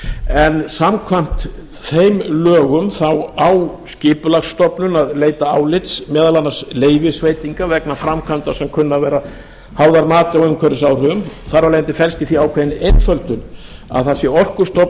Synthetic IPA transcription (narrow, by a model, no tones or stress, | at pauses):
ɛnsamkʰvam̥t̪ | θejmlœːɣʏmθawawscɪːpʏlaxsːt̪ɔpnʏnaðleːjt̪aaːwlɪt̪smɛːðalanːasleːjvɪsveːjt̪iŋkavɛknafɾamkʰant̪ḁsɛmkʰʏnːavɛːɾa | haːwðaɾmaːt̪ɪawʏmkʰvœɾɪsawr̥ʏʏmθaɾvaleːnt̪ɪfɛlst̪ɪθiawkʰvɛjɪnent̪fœlt̪ʏna̰ðθasjɛɔr̥kʏ̥st̪ɔp